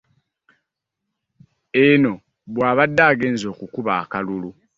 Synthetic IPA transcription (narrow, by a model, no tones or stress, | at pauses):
eno̞ | βwaːβadːaːɡe̞ːnzo̞ːkukuβaːkalulu